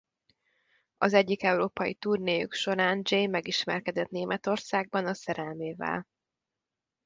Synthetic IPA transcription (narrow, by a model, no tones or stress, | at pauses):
ɒzɛɟːikɛwɾoːpɒjḭt̪uːrneːjy̰kʃo̞ɾaːnd͡ʒejmɛɡiʃmɛrkɛd̪ɛt̪neːmʔɛt̪o̞rsaːɡ̚bɒnɒsɛɾɛlmeːvɛ̰l